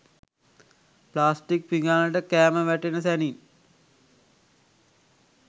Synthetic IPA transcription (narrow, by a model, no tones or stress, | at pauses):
plaːsʈik̚piŋɡaːnəʈəkæːməʋæʈenəsænin